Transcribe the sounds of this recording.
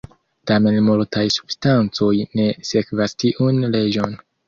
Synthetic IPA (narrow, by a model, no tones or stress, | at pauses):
tame̞nmultajsu̥b̥stant͡so̞jne̞se̞kvastiʔunle̞d͡ʒo̞n